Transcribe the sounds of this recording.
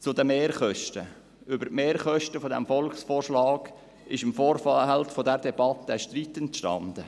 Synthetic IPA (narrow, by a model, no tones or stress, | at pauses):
t͡sʊd̪əmeːɾχœʃtə | ʏbətmeːɾχœʃtəfɔd̪ɛ̰mfɔlksfoːrʃlɑːɡ̥ | ɪʃəmfoːɾfhɛlffɔd̪ɛɾdɛbɑt̪ːəʃtɾit̪ːɛntʃtɑ̰nd̪̥ə